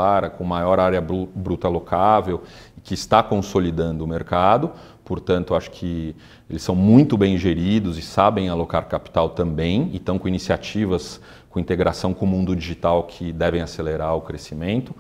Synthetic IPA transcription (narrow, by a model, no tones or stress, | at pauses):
aɾɐkõmajɔɾaɾjɐbubɾut̪ɐalokʰavew | ɪkɪːst̪akõsolid̪ɐ̃nd̪ʊmeɾkad̪ʊ | poɾt̪ɐ̃nt̪ʊaʃʊ̥kʰɪ | elɪsɐ̃w̃mũj̃t̪ʊbẽj̃ʒeɾid̪ʊzɪsabẽj̃alokaɾkapi̥t̪awt̪ɐ̃mbẽj̃ḛ̃t̪ɐ̃w̃kõinisiat͡ʃivɐs | kõĩnt̪eɡɾasɐ̃w̃kõmũnd̪ʊd͡ʒiʒit̪awkʰɪd̪ɛvẽj̃aseleɾaɾʊkɾesimẽnt̪ʊ